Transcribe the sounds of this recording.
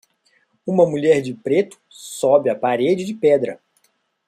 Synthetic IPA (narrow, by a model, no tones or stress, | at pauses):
ũmɐmuʎɛɾd͡ʒɪpɾet̪ʊ̥ | sɔbɪapaɾed͡ʒɪd͡ʒɪpɛd̪ɾɐ